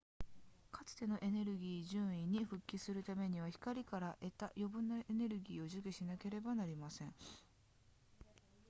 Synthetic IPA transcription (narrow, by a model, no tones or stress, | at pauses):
kat͡sɨ̥t̪e̞no̞ʔe̞ne̞ɾɯ̟ɡʲiːʑɨ̃ːɰ̃iɲ̟ːiɸɯ̟kʲːisɨɾɯ̟t̪ame̞ɲ̟iβ̞açi̥kaɾʲikaɾaʔe̞t̪ajo̞bɯ̟̃nːaene̞ɾɯ̟ɡʲiːo̞ʑɨkʲiɕinake̞ɾe̞banaɾʲimasẽ̞ɴ